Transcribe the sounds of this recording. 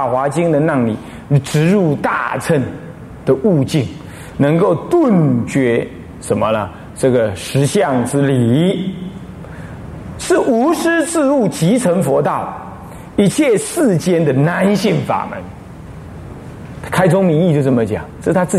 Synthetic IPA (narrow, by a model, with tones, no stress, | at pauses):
xwa˧˥t͡ɕi˥ŋd̪ə˨na˥˩ŋlḭ˨˩˧ | ʈ͡ʂɻ̩˧˥ɻu˥˧t̪a̰˥˧t͡sʰə˥˩n | d̪̥ə˨ʔu˥˧t͡ɕi˥˩ŋ | nɤ˧˥ŋko˥˧ʊt̪ʊ˥˩nt͡ɕɥɛ˧˥ | ʂə˧˦nmə˧nə˧˩ | ʈ͡ʂɤ˥˩ɡə˩ʂɻ̩˧˥ɕjɑ˥˩ŋʈ͡ʂɹ̩˥li˨˩˦ | ʂɻ̩˥˩ʔu˧˥ʂɻ̩˥t͡s̩˥˧u˥˩t͡ɕi˧˥t͡sʰə˧˥nfwɔ˧˥t̪ɑ˥˩ʊ | i˧˥t͡ɕʰjɛ˥˧ʂɹ̩˥˩t͡ɕjɛ˥nd̪ə˨na˧˦˥nɕi˥˩ŋfa̰˨˩mə̰˧˦n | kʰa˥ɪt͡sʊ˥ŋmi˧˥ni˥˧t͡ɕjo˥˧ʊt͡sə˥˩mə˧t͡ɕjɑ̰˨˩˦ŋɤ˥˩a˥t͡sɹ̩˥˩